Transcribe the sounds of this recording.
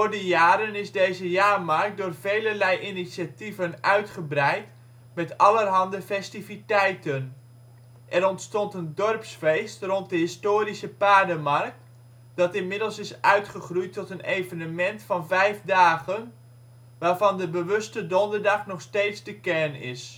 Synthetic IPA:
vʊːrdəjaːɾənɪzdejzəjaːrmɑrk̚dʊːrv̥ejlərlɛjʔinisativənʔœɥtχəbrɛjt | mɛtɑlərɦɑndəfɛstivitɛjtən | ʔɛɾɔntstɔntəndɔrpsfejstrɔnt̚dəɦɪstoːɾisəpaːdəmɑrk̚t | d̥ɑtɪnmɪdəl̩ˠsɪsʔœɥtχəχrujtɔtənejvənəmɛntfɑnvɛjvdaːɣən | ʋaːrvɑndəbəʋɵstədɔndərdɑχnɔχstejtzdəkɛɹnɪ̰s

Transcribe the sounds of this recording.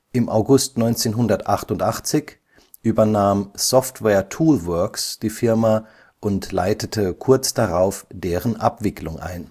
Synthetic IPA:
ʔɪmʔa̰ʊɡʊstnɔʏnt͡seːnɦʊndɐtʔaχtʊntʔaχt͡sɪç | ʔyːbɐnaːmsɔftvɛːɐtʰuːlvœɐksd̥iːfɪɐma | ʔʊntla̰ɪtətʰəkʰʊɐt͡sd̥aʁaʊfd̥eːʁənʔa̰pv̥ɪklʊŋʔa̰ɪn

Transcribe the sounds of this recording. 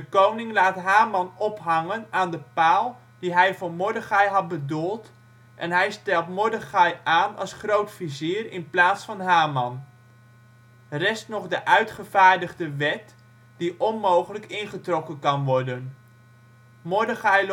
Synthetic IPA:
dəkownɪŋlaːtɦaːmɑnɔpɦɑŋənaːndəpaːlˠ | d̥iɦɛjvoːɹmʊɹdəχɑjɦɑt̚bədulˠt | ʔɛnɦɛjstɛlˠtmʊɹdəχɑjaːnɑ̰lˠsχrowtfiziːərɪnplaːtsfɑnɦaːmɑn | rɛstnɔχdəʔœɥtχəvaːɹdəχdəʋɛt | d̥iʔɔnmowχələkɪnχətrɔkənkɑnʋɔɹdən | moɹdəχaj

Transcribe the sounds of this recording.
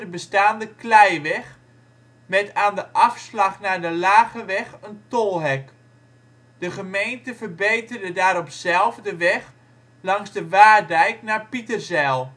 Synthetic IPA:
əbəstaːndəklɛjʋɛχ | mɛtaːndəʔɑfslɑχnaːɹdəlaːɣəʋɛχəntolˠɦɛk | d̥əχəmejntəvərbejtərdədaːɾɔpsɛlˠvdəʋɛχ | lɑŋzdəʋaːdɛjknaːɹpitərzɛlˠ

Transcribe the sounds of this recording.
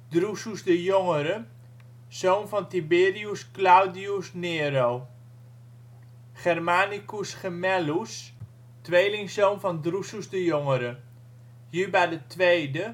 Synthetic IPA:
drususdəjoŋəɾə̥ː | ownvɔntibɪːriusklawdiusneːɾow | χɛrmaːnikusχəmɛlus | tʋejlɪŋsownfɔndrusuzdəjoŋəɾə | jybɛjdətʋejdə

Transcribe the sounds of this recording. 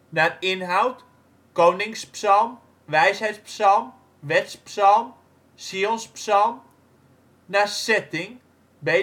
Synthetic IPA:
narɪnɦawt | kownɪŋspsɔlˠm | ʋɛjsɦɛjtspsɔlˠm | ʋɛtspsɔlˠm | siolnspsɔlˠm | nasɛtɪŋ | be

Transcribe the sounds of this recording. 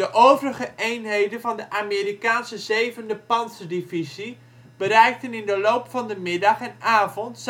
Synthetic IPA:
dəʔoːvərəχəʔejnɦejdənvɑndəʔamiːrikaːnsəzejvəndəpɑnsədivizi | b̥əɾɛjk̚tənɪndəlowpfɑndəmɪdɑχɛnaːvɔnts

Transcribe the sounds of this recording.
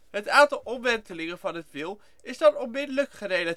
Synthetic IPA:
ɦətaːntɑlˠɔmʋɛntəlɪŋənvɑnɦətʋɪlˠ | ɪzdɑnɔmmɪdələkχərejla

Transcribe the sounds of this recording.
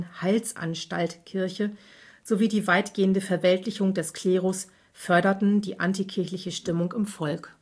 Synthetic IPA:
nhaɪlsʔa̰nʃta̰ltkʰɪɐçə | z̥oviːdiːvaɪtɡ̥eːəndəfɛɐvɛltʰlɪçʊŋdɛskʰl̥eːʁʊs | fœɐɾɐtn̩dḭːʔantikʰɪɐçlɪçəʃtɪmʊŋɪmfɔlk

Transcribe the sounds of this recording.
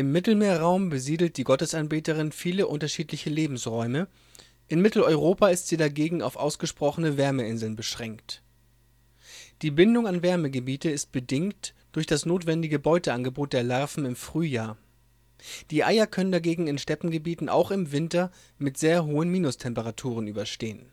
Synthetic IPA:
ʔɪmːɪtl̩meːɐʁaʊmbəziːdl̩t̚d̥iːɡɔtəsanbeːtəʁ̞ɪnfiːləʔʊntɐʃiːtlɪçəleːbm̩sʁɔʏmə | ʔɪnmɪtl̩ɔʏʁoːpaːɪstz̥iːdaɡeːɡŋ̩a̰ʊfʔa̰ʊsɡ̥əʃpʁ̥ɔχənəvɛɐməɪnzl̩nbəʃʁ̥ɛŋkt | d̥iːbɪndʊŋanvɛɐməɡəbiːtəɪst̚b̥ədɪŋkt | d̥ʊɐçd̥asnoːtv̥ɛndɪɡəbɔʏtəanɡəboːt̚d̥eːɐlɛɐfm̩ɪmfʁ̥yːjaːɐ | d̥iːʔaɪɐkʰœnəndaɡeːɡŋ̩ɪnʃtɛpm̩ɡəbiːtn̩ʔa̰ʊxɪmvɪntɐ | mɪtz̥eːɐɦoːənmiːnʊstʰɛmpəʁatʰuːʁ̞ənʔyːbɐʃteːən

